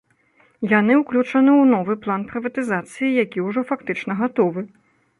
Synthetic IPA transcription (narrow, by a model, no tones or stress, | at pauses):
janɨuwklʲut͡ʂɐnɨwnɔvɨplˠanpɾɨvɐt̪ɨzat̪sɨjijakʲiuʐɔfakt̪ɨt͡ʂnɐɣat̪ɔvɨ